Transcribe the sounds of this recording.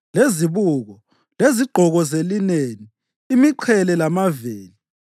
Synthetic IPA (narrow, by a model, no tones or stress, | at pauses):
leziβuɣɔ | leziɡ͡ǃʱɔɣɔzelineniː | miǃʰɛlɛlamaveːli